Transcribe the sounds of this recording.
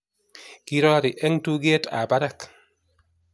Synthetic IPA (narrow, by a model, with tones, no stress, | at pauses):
ki˦ɾɔ˦ɾi˨ʔɛ˦ŋtu˦ɡe˦ta̰˨ba˦ɾa˨k